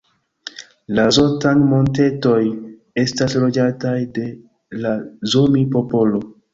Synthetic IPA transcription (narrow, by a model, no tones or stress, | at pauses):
lazo̞tanmo̞nte̞to̞j | e̞staslo̞d͡ʒatajde̞ | lazomipo̞po̞lo̞